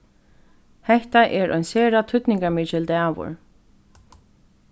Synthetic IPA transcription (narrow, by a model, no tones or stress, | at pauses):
hɛht̪aʔɛɹʔɔ̰jnsɛːɾat̪ʰʏt̪nɪŋkaɹmɪt͡ʃɪld̪ɛavʊ̰ɹ